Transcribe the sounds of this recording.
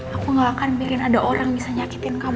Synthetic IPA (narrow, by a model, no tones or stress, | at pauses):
akuŋɡaːkanbiɾɪnadaʔoɾaŋbisaɲakit̪ɪnkam